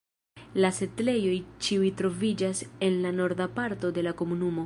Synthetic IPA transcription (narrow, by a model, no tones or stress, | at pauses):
lase̞tle̞jo̞jt͡ʃiujtɾo̞vid͡ʒase̞nlano̞ɾdapaɾto̞de̞lako̞munumo̞